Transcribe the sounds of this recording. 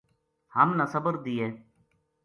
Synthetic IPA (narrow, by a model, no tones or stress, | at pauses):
həmnasəbəɾd̪iːeː